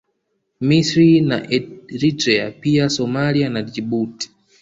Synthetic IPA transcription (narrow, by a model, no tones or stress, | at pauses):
misɾina̰ʔɛɾitɾɛa̰piasɔmalianad͡ʒiɓuti̥